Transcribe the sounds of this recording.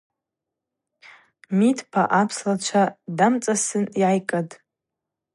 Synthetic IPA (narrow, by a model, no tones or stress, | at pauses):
mitʰpʰaʔapʰslat͡ʃʷʰadamt͡sʼasɨniajkʼadʼ